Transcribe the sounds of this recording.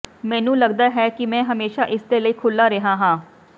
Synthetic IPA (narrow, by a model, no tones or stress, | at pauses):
mɛ̃ːnũːləɡd̪aːɦɛːkɪmɛ̃ːɦəmeːʃaːʔɪsd̪eːləiːkʰʊlːaːɾeɦãːɦãː